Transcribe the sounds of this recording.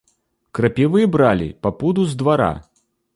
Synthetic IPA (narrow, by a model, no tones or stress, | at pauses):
kɾapʲivɨbɾalʲḭpapud̪uzd̪vaɾa̰